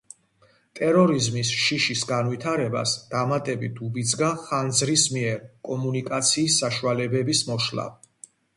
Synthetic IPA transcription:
t̪ʼɛɾɔɾizmisʃiʃisɡanwit̪ʰaɾɛba̰sd̪̥amat̪ʼɛbit̪ʰubid̪zɡaχand̪zɾismiɛɾkʼɔmunikʼat̪sʰiːsːaʃualɛbɛbismɔʃla̰

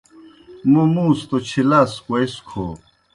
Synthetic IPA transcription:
momũːst̪ot͡ɕʰilaskojskʰo̰ː

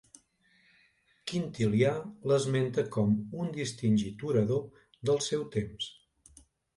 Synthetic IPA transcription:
kint̪ilialəzment̪əkɔmund̪ist̪inʲʒit̪uɾəðo | ðəlˠsɛwt̪ems

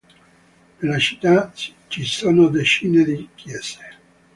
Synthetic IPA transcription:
nelat͡ʃi̥t̪ːat͡ʃisoːnod̪et͡ʃiːned̪ikjɛːse̥

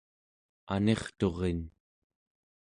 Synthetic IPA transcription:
a̰ne̞χt̪o̞ʁen

